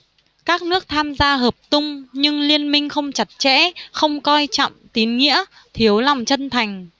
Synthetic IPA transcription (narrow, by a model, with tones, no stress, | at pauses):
kaː˦˥k̚nɨ˦˥ək̚t̪ʰaː˧mzaː˧ɦəː˨˩p̚t̪ʊ˧ŋ͡mɲɨ˧ŋli˧ənmï˧ŋ̟xə˧wŋ͡mt͡ɕa˨˩t̚t͡ɕɛ̰˧˥xə˧wŋ͡mkɔ˧jt͡ɕɔ̰˧˨mt̪i˨˦nŋḭ˧˥ə | t̪ʰi˨˦əwla˨˩wŋ͡mt͡ɕə˧nt̪ʰa˨˩jŋ̟